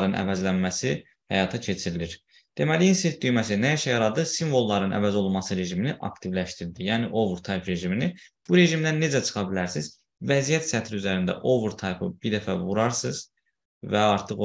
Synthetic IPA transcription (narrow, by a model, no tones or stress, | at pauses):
ɾɯnʔæ̰væzlænmæsi | hæ̰jɑːt̪ʰɑcʰe̞t͡ʃʰiɾiliɾ | d̪̥e̞mæliinset̪̚d̪yjmæs̬inæjæʃɛjɑɾɑd̪ɯsiɱvo̞lˠːɑɾɯnʔæ̰væzo̞lˠunmɑsɯɾe̞ʒiminiʔɑ̰kt̪ʰivlæʃt̪iɾd̪ijæːniʔo̞vɾt̪ʰɑjpɾe̞ʒiminib̥uɾe̞ʒimd̪ænːe̞d͡ʒæt͡ʃʰɯ̥χɑbilæɾsiz̥ | væzijæt̪sæt̪ʰɾiyzæɾind̪æ̰ʔo̞vuɾt̪ʰɑjpʰɯ̰b̥iɾd̪æfævuɾɑɾsɯz | væɑɾt̪ʰɯχ